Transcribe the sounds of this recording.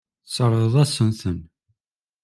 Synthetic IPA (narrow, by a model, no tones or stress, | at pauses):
t͡sːərˤəðˤæsənθən